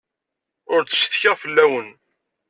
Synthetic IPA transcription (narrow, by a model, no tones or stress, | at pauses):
ʊɾt͡sːə̥ʃθçəʁfəlːæwən